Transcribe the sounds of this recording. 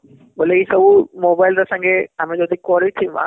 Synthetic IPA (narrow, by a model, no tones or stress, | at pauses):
boːleisɐbumoːbaːɪlɾɐsãŋɡeɦamẽd͡ʒoːd̪ʱikɔːɾiit̪ʰĩʋã̰